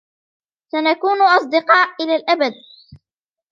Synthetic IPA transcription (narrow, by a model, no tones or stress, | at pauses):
sanakuːnʔɑsˤd̪ɪqɑːʔʔɪlaːlʔabad̪̚